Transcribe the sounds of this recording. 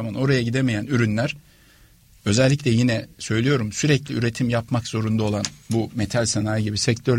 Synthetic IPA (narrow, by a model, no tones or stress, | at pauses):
mano̞ɾajaɟid̪emejænyɾynlʲæɾ̥ | ø̞zɛlʲːiclʲɛjinɛsø̞jlʲijo̞ɾumsyɾɛclʲiyɾe̞t̪ʰimjapmakz̥o̞ɾund̪aolˠanbumet̪ʰalʲsenaːjiɟibisɛct̪ʰøɾ